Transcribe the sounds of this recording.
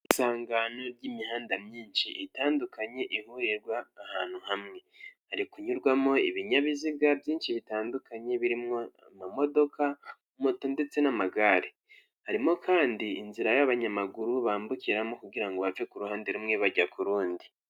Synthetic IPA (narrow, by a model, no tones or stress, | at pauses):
isaːŋɡano̞ɾɟimihaːndamɲiːnʃiiitaːndukʰaɲe̞ʔihujeɾɡwaːhaːn̥huhamŋe̞haɾikuɲuɾɡwamo̞iβiɲaβiziɡabjiːnʃiβitaːndukaɲe̞βiɾimŋoamamo̞do̞ka | motoːnde̞t͡se̞namaɡaɾe | haɾimo̞kʰaːndiːnziɾajaβaɲamaɡuɾuβaːmbukiɾamo̞kuɡiɾaŋɡoβavekuɾuhaːndeɾumŋe̞βaɟakuɾuːndi